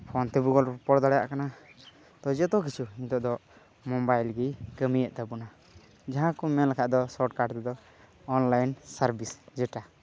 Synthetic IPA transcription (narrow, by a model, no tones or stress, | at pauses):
pʰɔnt̪ɛbuɡɔlɔpɔɽd̪aɽaja̰ʔkana | t̪ɔd͡ʒɔt̪ɔk̬it͡ʃʰuint̪ɔʔd̪ɔ | mɔbajlɡikəmijəʔt̪abuna | d͡ʒaɦãkɔmɛnlakʰaʔd̪ɔsɔʈ̚kaɖt̪ɛd̪ɔ | ɔnlajnsaɾbisd͡ʒɛʈa